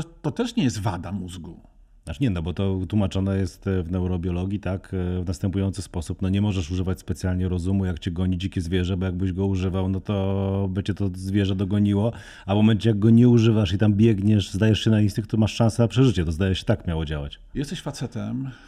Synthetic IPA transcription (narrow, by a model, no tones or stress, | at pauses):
t̪ɔt̪ɛʂɲɛjɛst̪vad̪amuzɡu | nat͡ʂɲɛnɔbɔt̪ɔt̪wumat͡ʂɔnɛjɛst̪vnɛwɾɔbʲjɔlɔɡʲjit̪akvnast̪ɛmpujɔnsɘspɔsupnɔɲɛmɔʐɛʂuʐɘvat͡ɕʲspɛt̪sjalɲɛɾɔzumujakt͡ɕɛɡɔɲid͡ʑikʲɛzvʲjɛʐɛbɔjaɡ̚bɘʑɡɔuʐɘvawnɔt̪ɔbɘt͡ɕɛt̪ɔzvʲjɛʐɛd̪ɔɡɔɲiwɔ | avmɔmɛnt͡ɕɛjaɡɡɔɲɛuʐɘvaʂit̪ambʲjɛɡɲɛʂzd̪ajɛʂɕɛnaint̪ɘkt̪ɔmaʂʂãnsɛnapʂɛʐɘt͡ɕɛt̪ɔzd̪ajɛʂɕɛ̥t̪akmʲjawɔd͡ʑawa̰t͡ɕ | jɛst̪ɛɕfat̪sɛt̪ɛm